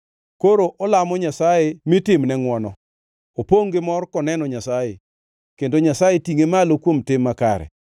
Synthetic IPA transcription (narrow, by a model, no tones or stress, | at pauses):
koɾoʔɔlamɔɲasajemɪtɪmnɛŋwɔnɔ | opoŋɡɪmɔrkɔnɛnɔɲasaje | kendoɲasajetiŋemalokwomtɪmːakaɾɛ̰